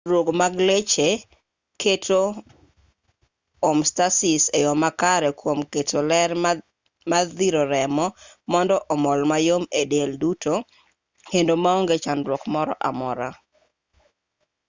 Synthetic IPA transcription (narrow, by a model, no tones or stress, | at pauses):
ɾwoɡmaɡlet͡ʃe | kʰetʰo | omstasɪsejɔmakaɾɛkwomketʰolɛɾ | maðiɾoɾɛmɔmɔndɔʔɔmɔlmajomedelduto | kendomaoŋɡet͡ʃanɾwokmɔɾɔ̰ʔamɔɾa